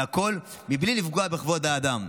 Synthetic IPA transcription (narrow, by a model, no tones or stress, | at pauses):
ako̞l | miblilifɡoabeχvo̞d̪aːd̪am